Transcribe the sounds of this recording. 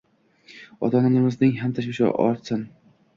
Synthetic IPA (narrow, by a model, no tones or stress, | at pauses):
ɒ̰t̪ʰɒnɪnɪmɪznɪŋɦamt̪ʰaʃvɪʃa̰ʔɒ̰ɾt̪sɪn